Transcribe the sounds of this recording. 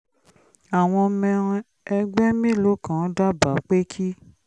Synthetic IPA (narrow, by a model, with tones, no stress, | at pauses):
a˨w̃ɔ̃˧mɛ̃˧ɾ̃ | ɛ˧ɡ͡bɛ˦mĩ˦˨lo˨˦kã˦da˦ba˨˦k͡pe˦kʰi˦